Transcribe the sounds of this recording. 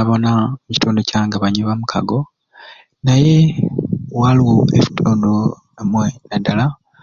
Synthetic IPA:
aβo̞namuci̥tʰoːndo̞caːŋɡaβaɲiβamukʰa̰ɡo̞ | naje̞ | waliwoefi̥tʰoːndo | emwenadala

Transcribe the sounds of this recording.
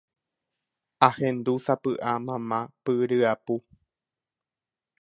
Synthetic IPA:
ahẽnd̪usapɨʔamãmãpɨɾɨapu

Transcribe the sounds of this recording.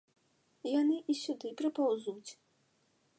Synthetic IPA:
janɨʔisʲud̪ɨpɾɨpawzut͡sʲ

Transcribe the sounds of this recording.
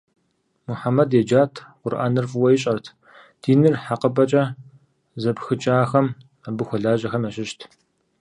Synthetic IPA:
muħamɐdjɛd͡ʒaːtʰqʷʊrʔa̰ːnɨrfʼɨwɐjɪɕʼɐrtʰ | d̥iːnɨrħaqəbɐt͡ʃʼɐ | zɐbxɨt͡ʃʼaːxɐm | abɨxʷɔɮaːʑɐxɐmɐɕʼɪʃtʰ

